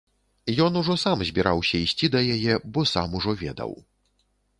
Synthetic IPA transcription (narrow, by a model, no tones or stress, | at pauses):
jɔnuʐɔsamzʲbʲiɾawsʲɐisʲt͡sʲid̪ɐjajɛbɔsa̰muʐɔvʲɛ̰d̪ɐ̰w